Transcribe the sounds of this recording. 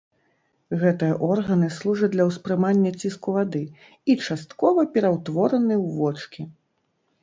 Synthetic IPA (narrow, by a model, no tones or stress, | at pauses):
ɣɛt̪ɨjɐʔɔrɣɐnɨslˠuʐɐt͡s̚ʲdlʲɐwspɾɨmanʲːɐt͡sʲiskuvad̪ɨ | it͡ʂast̪kɔvɐpʲɛɾawt̪vɔɾɐnɨwvɔt͡ʂkʲi